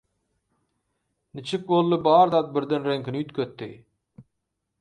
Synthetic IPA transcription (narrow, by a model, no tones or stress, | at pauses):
nɪt͡ʃʰɪk̚bolˠːɨbɑːɾd̪ɑt̪̚bɪɾd̪enɾeŋkʲinɪjyt̪kʲʰøt̪ːi